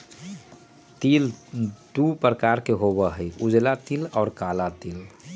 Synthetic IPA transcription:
t̪ild̪upɾəkaɾkeɦoβəɦəjud͡ʒlat̪ilɔːɾkalat̪il

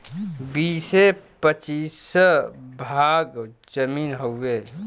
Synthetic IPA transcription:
biːsepət͡ʃiːs | bʱaːɡd͡ʒəmiːnɦoeː

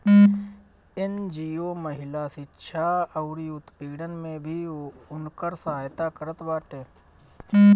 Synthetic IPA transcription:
end͡ʒiːoːməɦɪlaːsɪtːʃʰaəʊɾiʊt̪piːɽənmẽbʱiʊnkəɾsəɦaːjt̪akəɾət̪baːʈeː

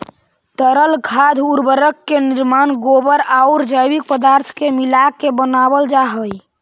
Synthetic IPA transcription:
t̪əɾəlɡʱad̪ʱuɾbəɾəkːeniɾmanɡobəɾaʊɾd͡ʒəjbik̚pəd̪aɾt̪ʰkemilakːebənabəld͡ʒaɦəj

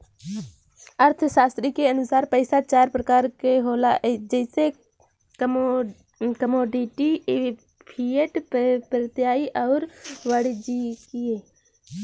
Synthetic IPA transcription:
əɾt̪ʰəʃaːst̪ɾikeənʊsaːɾpəɪsat͡ʃaːɾpɾəkaːɾkeɦoːlaɦed͡ʒɛɪse | kəmoːɖiʈi | pʰiəʈpɾət̪jaːiʔɔʊɾʋəɽd͡ʒikieː

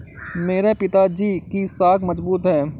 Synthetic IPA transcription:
meːɾepɪt̪ad͡ʒiːkisaːkʰmɐzbuːt̪ɦɛː

